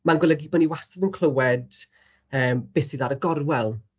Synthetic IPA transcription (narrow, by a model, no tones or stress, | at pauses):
manɡwɔlˠɛɡibɔniwasɛdənkʰl̥ˠəwɛd̥ | əːmb̥ɪsiðaɾəɡɔrwɛlˠ